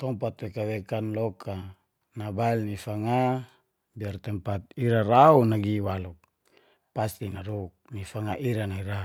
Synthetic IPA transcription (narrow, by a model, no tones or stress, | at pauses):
t̪ɔmpat̪wekawekanlɔkʰa | nabailnifaŋa | biart̪ɛmpat̪̚iɾaraunaɡiwaluk̚ | past̪inaɾuk̚nifaŋaʔiɾanaiɾa